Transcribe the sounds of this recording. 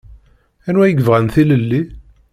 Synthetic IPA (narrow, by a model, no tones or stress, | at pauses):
ænwæjəɡəvʁænθiləlːi